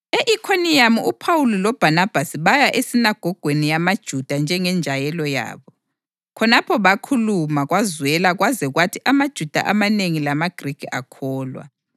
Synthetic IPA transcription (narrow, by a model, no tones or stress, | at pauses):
eʔikʰonijamuupʰawulilɔb̥ʱanab̥ʱasiβajaʔesinaɡ̥ʱɔɡ̥ʱwenijamad̥ʒ̥ʱud̥ʱand͡ʒʱɛŋɛnd͡ʒʱajɛlɔja̰ːβɔ | kʰɔnapʰɔβakʰulumaɣwazwɛlaɣwazɛɣwatʰiʔamad̥ʒ̥ʱud̥ʱa̰ʔamaneŋilamaɡ̥ʱrikʰia̰kʰɔːlwa̰